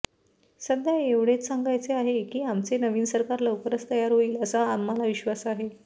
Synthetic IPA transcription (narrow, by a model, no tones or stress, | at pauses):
səd̪ʱjaeʋɽ̤et͡s̪saŋɡajt͡seaɦekiːamt͡senəʋiːnsəɾkaɾləʋkəɾət͡st̪əjaɾɦoiːləsaamːalaʋiɕʋasaɦe